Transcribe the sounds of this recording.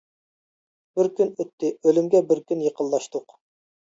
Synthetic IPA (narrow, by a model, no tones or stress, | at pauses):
b̥ɪɾkʲynøt̪ːɪølymɡʲɛbɪɾkʲynjəqənlˠlˠɑʃt̪ʊq